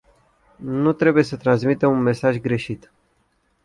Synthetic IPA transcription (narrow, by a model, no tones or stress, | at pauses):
nut̪ɾe̞buje̞sət̪ɾansmit̪eunme̞saʒɡɾe̞ʃit̪